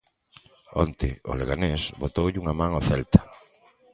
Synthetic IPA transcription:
ɔ̰nt̪ɪ̰o̰leɣanesbot̪owʎuŋamãŋoθɛlt̪ḁ

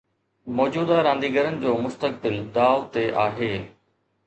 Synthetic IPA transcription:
mɔːd͡ʑuːd̪aɾãːnd̪iːɡəɾənɪ̆d͡ʑoːmʊst̪ək̚bɪld̪aːʊt̪eʔaːɦeː

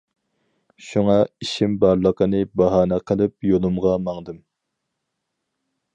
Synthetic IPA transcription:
ʃuŋɑiʃimbɑɾlˠəqənɨbɑɦɑːnɛqʰəlˠɨp̚jolˠumʁɑmɑŋd̪ɨm

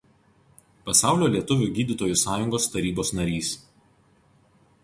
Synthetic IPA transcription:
pɐsɑˑʊlʲoːlʲiɛt̪ʊʋʲʊɡʲiːd̪ʲɪt̪oːjʊsɑːjʊŋɡoːst̪ɐɾʲiːboːsnɐɾʲiːs

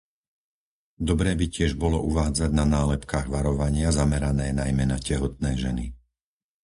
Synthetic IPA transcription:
d̪ɔbɾɛːbicɪɛʒbɔlɔʔuʋaːd͡zaɟnanaːlɛpkaːɣʋaɾɔʋaɲɪazamɛɾanɛːnajmɛnacɛɦɔt̪̚nɛːʒɛni

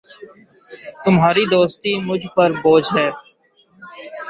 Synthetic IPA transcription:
t̪ʊmɦaːɾiːd̪oːst̪iːmʊd͡ʒʱpəɾboːd͡ʒʱɦɛː

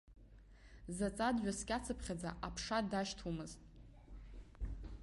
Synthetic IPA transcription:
zat͡sʼadɥᶣaskʲʼat͡sʰɨpʰχʲad͡za̰ʔapʰʂadaʃtʰumɨztʼ

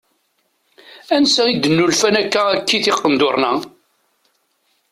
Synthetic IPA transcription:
ænsæid̪ːənːulfænækːæækːiθɪqːənd̪ʊɾˤnæ

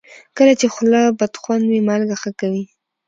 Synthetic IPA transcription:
kəlat͡ʃexlabad̪xwand̪wimalɡaxakawi

